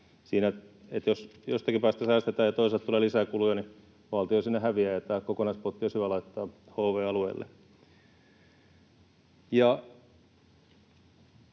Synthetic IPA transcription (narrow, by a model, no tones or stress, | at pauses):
siːnæ | et̪josjost̪ɑkipæːst̪æsæːst̪et̪æːjɑt̪oiselt̪t̪uleːlisækulujɑni | ʋɑlt̪iosinːehæʋiæːjɑt̪æːkokonɑispot̪ːioshyʋælɑit̪ːɑː | hoːʋeːɑluḛilːḛ | jɑ